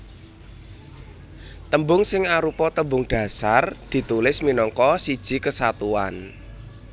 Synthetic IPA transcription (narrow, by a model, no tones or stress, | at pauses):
t̪əmbʊŋsɪŋaɾupɔt̪əmbʊŋɖ̥ä̤sard̪̥i̤t̪ulɪsminɔŋkɔsid̥ʒ̥i̤kəsat̪uan